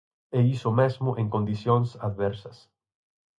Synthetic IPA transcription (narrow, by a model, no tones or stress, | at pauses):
eisʊmezmʊʔẽŋkõnd̪isjõŋsaðβɛɾsɐs